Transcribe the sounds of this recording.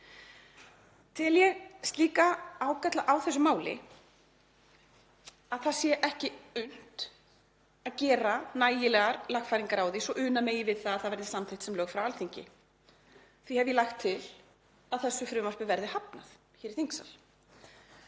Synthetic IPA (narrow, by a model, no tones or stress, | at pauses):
t̪ʰɪljɛɣst̪liːkaaːwkat̪laʔawθɛsːʏmaːwlɪ̰ | aðθaðsjɛʔɛhcɪʏn̥t̪ | aðcɛːɾanaːjɪlɛɣaɾlaɣfajɾiŋkaɾaːwðisɔʔʏːnameːjɪvɪðθaðaðθaðvɛɾðɪsamθɪjht̪sɛmlœːɣfɾawalθiɲcɪ̰ | θvihɛvjɛlaxt̪ʰːɪl | aðθɛsːʏfɾʏːmar̥pʏvɛɾðɪhapna̰θ | çɛːɾiθiŋksa̰l